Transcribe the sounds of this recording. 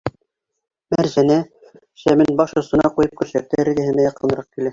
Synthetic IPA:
mæɾʑænæ | ʃæmɘnbɑʃŏsɤ̆nɑqujɤp̚kʉɾʃæk̚t̪æɘ̆ɾɡɘ̆hɘ̆næjɑqɤ̆nɤ̆ɾɑq̚kilæ

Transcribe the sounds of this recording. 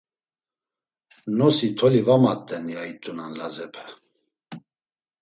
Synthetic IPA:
nɔsit̪ʰɔlivamat̪ʼːɛnjait̪ʼunanlazɛpʰɛ

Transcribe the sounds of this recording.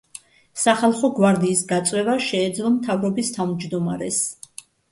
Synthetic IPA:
saχalˠχɔɡwaɾd̪iːsɡat̪sʼwɛvaʃɛːd̪zlˠɔmt̪ʰavɾɔbist̪ʰavmd͡ʒd̪ɔmaɾɛs

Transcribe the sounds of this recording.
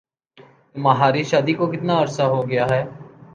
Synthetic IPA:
mɐɦaːɾiʃaːd̪ikokɪt̪naːɐɾsaɦoɡɐjaːɦɛː

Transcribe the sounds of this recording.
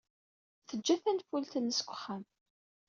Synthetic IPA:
θəd͡ʒːæθænt̪fult̪ənːəskʷːə̥χːam

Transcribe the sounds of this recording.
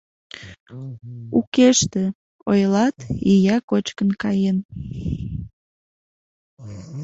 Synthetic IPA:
ukeʃt̪e | ojlɑt̪ijɑkot͡ɕkənkɑjen

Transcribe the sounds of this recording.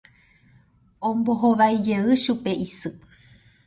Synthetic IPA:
õmboɦoʋajd͡ʒeʋɨʃupe̞ʔisɨ

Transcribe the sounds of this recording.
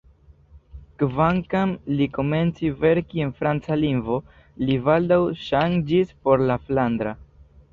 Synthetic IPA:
kvaŋkamliko̞me̞nt͡sive̞ɾkie̞nfɾant͡saliŋɡvo̞ | livald̪awʃand͡ʒispo̞ɾlafland̪ɾa

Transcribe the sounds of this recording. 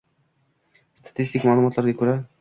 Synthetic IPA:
st̪ʰḁt̪ist̪ikmaːlˠumɒt̪laɾɡʲakʲʰɵɾa

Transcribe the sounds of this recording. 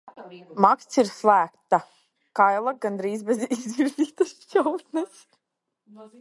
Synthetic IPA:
makst̪siɾslˠæːk̚t̪a | kajlˠaɡand̪ɾiːzbɛzizviɾzʲiːt̪asjɔwt̪nɛs

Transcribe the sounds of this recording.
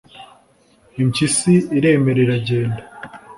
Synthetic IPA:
imcisiiɾe̞ːme̞ɾeɾaɟe̞ːnda

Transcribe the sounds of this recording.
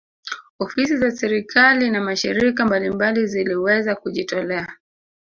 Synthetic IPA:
ɔfisizasɛɾikʰalinamaʃiɾikambalimbaliziliwɛzakuʄitɔlɛa

